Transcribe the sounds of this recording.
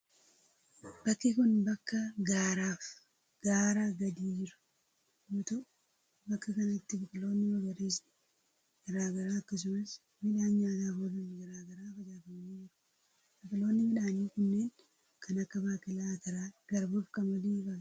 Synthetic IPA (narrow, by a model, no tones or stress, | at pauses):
b̥ɐkːɪkʊnbɐkːɐɡaːɾaːf | ɡ̥aːɾaɡɐd̪iːd͡ʒɪɾʊ̥ | joːt̪ɐ | bɐkːɐkɐnɐt̪ːɪbɐkɪlo̞ːnːɪbɐɡɐɾeːsɪ | ɡ̥ɐɾaːɡɐɾaːɐkːɐs̬ʊmɐs | mɪᶑaːnɲaːt̪aːhoːlʊnɡɐɾaːɡɐɾaːfɐd͡ʒaːfɐmɐniːd͡ʒɪɾʊ̥ | bɐkɪlo̞ːnːɪmɪᶑaːniːkʊnːeːn | kʰɐnɐkːɐbaːkɪlaːkɐɾaːɡ̥ɐɾboːfkɐnmɐliːba